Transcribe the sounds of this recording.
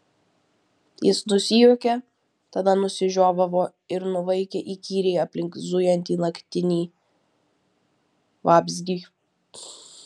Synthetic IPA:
jɪsnʊsʲɪjuːkʲe | t̪ɐd̪ɐnʊsʲɪʒʲoːʋɐʋoː | ɪɾnʊʋɐɪkʲeʔiːkʲiːɾʲɛɪɐpʲlʲɪŋkzʊjɛnʲt̪ʲiːnɐkʲt̪ʲɪnʲiː | ʋɑːbʲzʲɡʲi

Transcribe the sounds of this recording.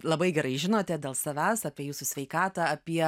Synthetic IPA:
lˠɐbɐɪɡʲɛɾɐɪʒʲɪnoːt̪ʲɛd̪ʲeːlˠsɐʋʲæːsɑːpʲiɛjuːsʊsʲʋʲɛɪkɑːt̪ɐːɐpʲiɛ

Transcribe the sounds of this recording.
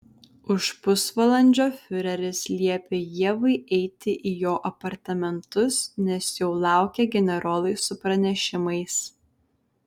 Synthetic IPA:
ʊʃpʊsʋɐlˠɐnʲd͡ʒʲoːfʲʊɾʲɛɾʲɪslʲiɛpʲeːjiɛʋɐɪʔɛɪt̪ʲɪʔijoːʔɐpɐɾt̪ɐmʲɛnt̪ʊsnʲɛsjɛʊlˠɑˑʊkʲɛɡʲɛnʲɛɾoːlˠɐɪsʊpɾɐnʲɛʃʲɪmɐɪs

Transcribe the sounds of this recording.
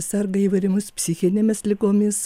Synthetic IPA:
sʲɐrɡɐiːʋɐɪɾʲɛmʊspʲsʲɪxʲɪnʲeːmʲɪslʲɪɡoːmʲɪs

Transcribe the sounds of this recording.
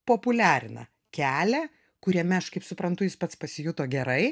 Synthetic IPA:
poːpʊlʲæːɾʲɪnɐ̰ | kʲæːlʲɛ | kʊɾʲiɛmʲɛɐʃkɐɪpsʊpɾɐnt̪ʊjɪspɐt̪spɐsʲɪjʊt̪oːɡʲɛɾɐɪ

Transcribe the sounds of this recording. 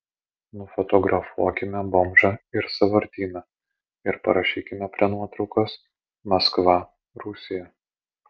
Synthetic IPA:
nʊfɔt̪ɔɡɾʔɐfuɔkʲɪmʲɛbomʒɐɪɾsɐʋɐɾʲt̪ʲiːnɐ | ɪɾpɐ̰ɾɐʃʲiːkʲɪmʲɛpʲɾʲiɛnuɔt̪ɾɒʊkɐs | mɐskʋɐ | ɾʊsʲɪjɛ

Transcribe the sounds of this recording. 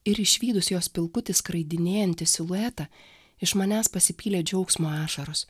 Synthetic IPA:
ɪɾɪʃʲʋʲiːd̪ʊsjoːspʲɪlˠkʊt̪ʲɪskɾɐɪd̪ʲɪnʲeːjɛnʲt̪ʲɪsɪlˠʊɛt̪ɐ | ɪʃmɐnʲæːspɐsʲɪpʲiːlʲeːd͡ʒʲɛʊksmoɑːʃɐɾʊs

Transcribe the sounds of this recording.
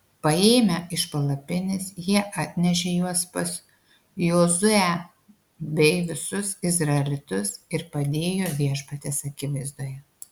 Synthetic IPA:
pɐeːmʲɛɪʃpɐlˠɐpʲɪnʲɪsjiɛʔɑːt̪ʲnʲɛʃʲejuɔspɐs | joːzʊæ | bʲɛɪʋʲɪsʊsɪzɾɐɛlʲɪt̪ʊsɪɾpɐd̪ʲeːjoːʋʲiɛʃpɐt̪ʲɛsɐkʲɪʋɐɪzd̪uːjɛ

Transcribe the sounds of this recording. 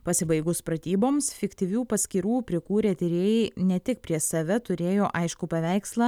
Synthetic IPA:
pɐsʲɪbɐɪɡʊspɾɐt̪ʲiːboːmsfʲɪkt̪ʲiʋʲuːpɐsʲkʲiːɾuːpʲɾʲɪkuːɾʲeːt̪ʲɪɾʲeːjɛnʲɛt̪ʲɪk̚pʲɾʲiɛsɐʋʲɛt̪ʊɾʲeːjoːʔɐɪʃkʊpɐʋʲæˑɪkslˠɑ

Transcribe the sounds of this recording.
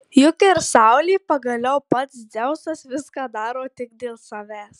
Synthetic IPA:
jʊkʲɛɾsɑˑʊlʲiːpɐɡɐlʲɛʊpɐt̪sd̪zʲɛʊsɐsʋʲɪskɑːd̪ɑːɾoːt̪ʲɪkd̪ʲeːlˠsɐʋʲæːs

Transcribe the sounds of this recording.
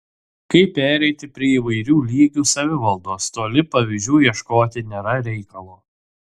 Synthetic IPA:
kɐɪpːʲæːɾʲɛɪt̪ʲɪpʲɾʲiɛiːʋɐɪɾʲuːlʲiːɡʲuːsɐʋʲɪʋɐlˠd̪oːst̪oːlʲɪpɐʋʲiʒʲuːjiɛʃkoːt̪ʲɪnʲeːɾɐɾʲɛɪkɐlˠuː

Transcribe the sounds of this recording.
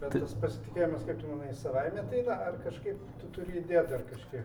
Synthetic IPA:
bʲɛtt̪ɐspɐsʲɪt̪ʲɪkʲeːjomʲɐskɐɪp̚t̪ʲɪmɐnɐɪsɐʋɐɪmʲɛt̪ɐɪnɐɐrkɐʃkɐɪpt̪ʊt̪ʊɾʲɪiːd̪ʲeːd̪ɐrkɐʃkɐɪp

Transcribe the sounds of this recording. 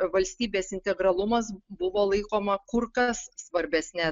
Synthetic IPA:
ʋɐlʲsʲt̪ʲiːbʲeːsɪnʲt̪ʲɛɡɾɐlˠʊmɐsbʊʋoːlˠɐɪkoːmɐkʊɾkɐsːʋɐɾʲbʲɛsʲnʲɛ

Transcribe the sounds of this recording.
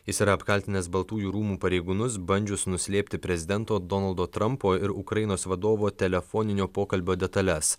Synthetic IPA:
jɪsiːɾɐːpkɐlʲt̪ʲɪnʲɛsbɐlˠt̪uːjuːɾuːmuːpɐɾʲɛɪɡuːnʊs̬bɐnʲd͡ʒʲʊsnʊsʲlʲeːpʲt̪ʲɪpʲɾʲɛzʲɪd̪ʲɛnt̪oːd̪ɔnɐlˠd̪oːt̪ɾɐmpoːɪɾʊkɾɐɪnoːsʋɐd̪oːʋoːt̪ʲɛlʲɛfoːnʲɪnʲoːpoːkɐlʲbʲoːd̪ʲɛt̪ɐlʲɛs

